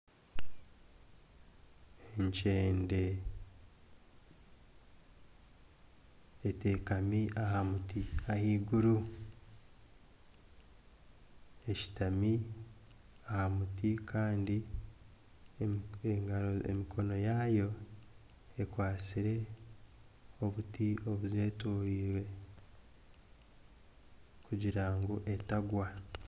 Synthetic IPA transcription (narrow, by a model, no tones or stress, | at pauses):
eɲt͡ʃeːnde̞ | eteːkamiahamutiahiːɡuɾu | e̞ʃi̥tami | ahamutikʰaːndi | eŋɡaoḛmikʰo̞no̞jajo̞ | ekwaːt͡siɾe̞ | o̞βutio̞βuzwe̞ːtoːɾiːɾwe̞ | kuɟiɾaːŋɡoʔe̞taɡwa